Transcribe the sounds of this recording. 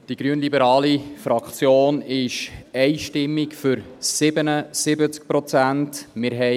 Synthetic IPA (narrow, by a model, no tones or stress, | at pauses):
d̥iɡ̥ɾyənlibəɾɑːlifɾɑkt͡sjoːnɪʃɛɪʃtɪmːikfʏɾsɪbənəsɪbət͡sk̚pɾɔt͡sæntmɪɾɦɛ